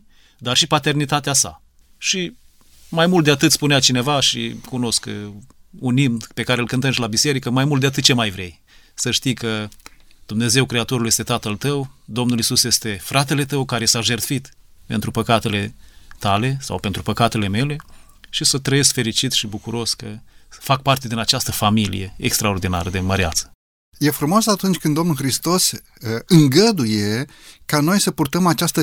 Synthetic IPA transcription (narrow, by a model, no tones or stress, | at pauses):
d̪arʃipat̪e̞rnit̪at̪easa̰ | ʃi | majmult̪d̪eat̪ɨt̪spuneat͡ʃine̞vaʃikuno̞sk | unimpe̞kaɾeɨlkɨnt̪əmʃlabise̞ɾikəmajmult̪d̪eat̪ɨt̪̚t͡ʃemajvɾe̞j | səʃt̪ijkəd̪umne̞ze̞wkɾe̞at̪o̞ɾulje̞st̪e̞t̪at̪əlt̪əwd̪o̞mnulisusje̞st̪e̞fɾat̪e̞le̞t̪əwkaɾe̞saʒe̞rt̪fit̪ | pe̞nt̪ɾupəkat̪e̞le̞t̪ale̞sa̰wpe̞nt̪ɾupəkat̪e̞le̞me̞le̞ | ʃisət̪ɾəje̞skfe̞ɾit͡ʃit̪ʃibukuɾo̞skəfak̚part̪e̞d̪inat͡ʃast̪əfamilḭje̞ḛkst̪ɾao̞rd̪ina̰ɾəd̪eməɾeat̪sə̥ | je̞fɾumo̞sat̪unt͡ʃʲkɨnd̪o̞mnulxɾist̪o̞s | ɨŋɡəd̪uje̞kano̞jsəpurt̪əmat͡ʃast̪ə